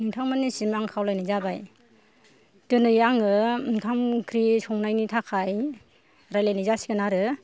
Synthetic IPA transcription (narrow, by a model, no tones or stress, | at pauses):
niŋtʰaŋmanːisimaŋkʰawlajnajzabaj | tɯnɯjaŋɯnkʰamkʰɾisɔŋnajnitʰakʰaj | ɾajlajnajzasi̥ɡɯnaɾɯ